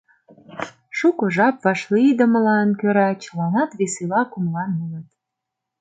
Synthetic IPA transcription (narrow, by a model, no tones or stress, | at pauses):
ʃukŏʒɑp̚vɑʃlid̪ə̆mə̆lɑnkøɾɑt͡ɕəlɑnɑt̪βeselɑkumlɑnmənət̪